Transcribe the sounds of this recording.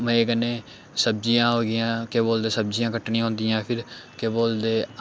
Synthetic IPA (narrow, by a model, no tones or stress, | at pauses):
mɛ̃kənːeː | səb̚d͡ʒijãːɦoːɡɪjãːkeːboːld̪eːsəb̚d͡ʒɪjãːkəʈɳijãːɦʊ̃nd̪ɪjãːpʰɪɾkeːboːld̪eː